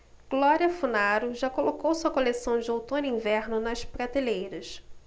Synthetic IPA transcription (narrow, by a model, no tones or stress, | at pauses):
ɡ̥lɔɾiɐfunaɾʊʒakolokowsuɐkolesɐ̃w̃d͡ʒɪowt̪õnɪĩvɛɾnʊnɐʃpɾat̪elejɾɐs